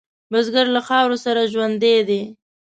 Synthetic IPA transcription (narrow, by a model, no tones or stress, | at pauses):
mʊzɡaɾlaxɑwɾosaɾaʒwand̪ed̪e